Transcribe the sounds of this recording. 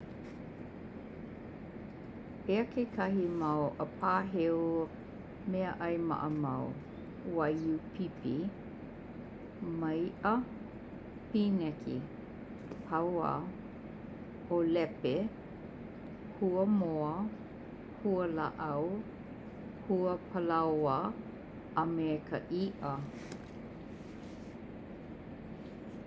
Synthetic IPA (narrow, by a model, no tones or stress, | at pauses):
eəkʰekʰɐɦimɐwʔəpʰaːɦew | meəʔɐjmɐ̰ʔəmɐw | wɐjupʰipi | mɐjʔə | pinɛkʰḭ | pʰɐwa̰ | olɛpe | huəmoə | huəlaʔaw | huəpʰəlawə | ʔamɛkʰəʔiʔə